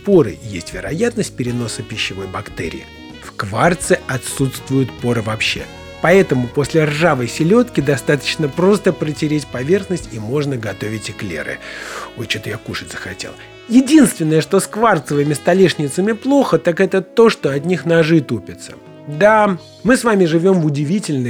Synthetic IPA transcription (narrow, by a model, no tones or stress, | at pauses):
po̞ɾɨ̰jesʲtʲvʲɪɾɐ̰jat̪nəsʲt̚ʲpʲɪɾʲɪno̞səpʲɪɕːɪvo̞jbɐkt̪ɛ̰ɾʲɪ̰ɪ | fkvart̪sɨɐt̪sut̪st̪vʊjʊt̪po̞ɾɨvɐpɕːe̞̰ | pɐɛt̪əmʊpo̞sʲlʲɪrʐavəjsʲɪlʲo̞t̪kʲɪd̪ɐst̪at̪ə̥t͡ɕnəpɾo̞st̪əpɾətʲɪɾʲetʲpɐvʲe̞rxnəsʲtʲimo̞ʐnəɡɐt̪o̞vʲɪtʲɪklʲḛɾɨ̰ojt͡ɕot̪əjakuʂɨt̪ʲsə̥xɐtʲḛlˠ | jɪdʲinst̪vʲɪnːəjəʂt̪o̞skvart̪səvəmʲɪst̪ɐlʲiʂnʲɪt̪səmʲɪplˠo̞xət̪akɛt̪ət̪o̞ʂt̪o̞ɐt̪nʲixnɐʐɨt̪upʲɪt̪sə̥ | d̪a | mɨsvamʲɪʐɨvʲo̞mvʊdʲɪvʲitʲɪlʲnə